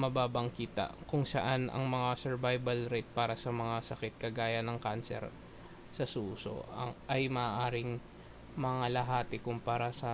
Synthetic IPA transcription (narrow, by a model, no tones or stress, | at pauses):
mɐbaːbɐŋkiːt̪ɐ̰kʊŋsɐʔanɐ̰ŋmɐŋasɛɹvajbɐlɾɛt̪̚paːɾɐsɐmɐŋasɐkɛt̪̚kɐɡaːjɐnɐŋkansɛ̰ɾ | sɐsuːso̰ɐʔɐjmɐʔaʔaːɾɪŋ | mɐŋalɐɦaːt̪ɪkʊmpaːɾɐsɐ